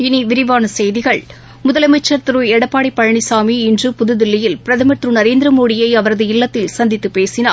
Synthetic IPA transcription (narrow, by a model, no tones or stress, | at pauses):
ɪniʋɪɾɪʋaːnɐsɛjðɪɣɐɭ | mʊðɐlɐɪmɐɪt͡ʃːɐɾt̪ɪɾuɛɽɐpːaːɽipːɐɻɐɳisaːmiɪndrɯpʊðɯðɪlːɐjɪlpɪɾɐðɐmɐt̪rɯnɐɾeːnd̪ɾɐmoːɽɪjɐɪɐʋɐɾɐðɯɪlːɐt̪ːɪlsɐnd̪ɪt̪ːɯpeːsɪnaː